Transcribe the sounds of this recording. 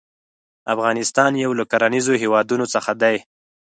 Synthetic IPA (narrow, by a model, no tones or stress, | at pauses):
afɣɑnɪst̪ɑnjawlakaɾanizoɦewɑd̪unot͡səxad̪aj